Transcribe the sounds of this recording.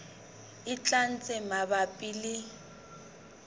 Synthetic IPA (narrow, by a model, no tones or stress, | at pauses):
ɪt͡ɬʼan̩t͡sʼɛmabapʼili